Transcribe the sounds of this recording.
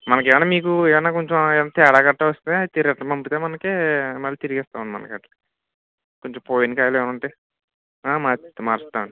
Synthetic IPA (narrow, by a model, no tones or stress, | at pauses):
mɐnɐk̬ɛːʋɐnaːmiːk̬ueːɐnːaːkoɲt͡ʃoeʋɐnːaːt̪ɛːɽaːɡɐʈːɐʋɐst̪ind̪et̪iɾɐʈːɐmɐmpit̪eːmɐnɐkemɐlːit̪iɾiɡɛːst̪aːʋɐnimɐ̰nɐ̰kɐʈlɐ | koɲt͡ʃompoːjinikaːjleːʋɐnɐɳʈeː | aːmaːt̪maːɾist̪aːʋɐɳɖi